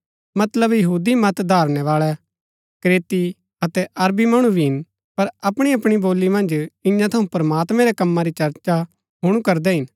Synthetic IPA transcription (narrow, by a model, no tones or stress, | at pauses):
mɐt̪ləbjɐɦuːd̪imɐt̪d̪ʱaːɾɽ̃ɛʋaːɭɛ | kɾeːt̪i | ɐt̪ɛʔɐɾbimɐɽ̃ubʱiɦɪn | pɐɾɐpɽ̃iɐpɽ̃iboːlːimɐ̃nd͡ʒɪ̃jãt̪ʰɐũpɾɐmaːt̪mɛ̃ɾɛkɐmːãɾit͡ʃɐɾt͡ʃa | ɦʊɽ̃ũkɐɾd̪ɛɦɪn